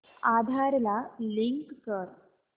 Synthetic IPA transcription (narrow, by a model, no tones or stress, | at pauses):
ad̪ʱaɾlaliŋkkəɾ